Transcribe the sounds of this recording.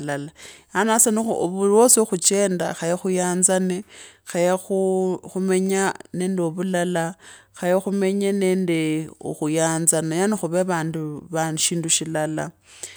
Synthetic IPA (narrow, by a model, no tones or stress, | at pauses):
lalaanasanixuoβurwosoxut͡ʃe̞ːndaxajexujaːnzanexajexuxume̞ɲane̞ːndeoβulala | xajexume̞ɲene̞ːnde̞o̰xujaːnzanajanixuβeβaːnduβanʃiːnduʃilala̰